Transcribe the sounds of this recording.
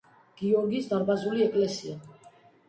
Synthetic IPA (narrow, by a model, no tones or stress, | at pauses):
ɡ̥iɔɾɡisd̪aɾbazuliɛkʼlɛsia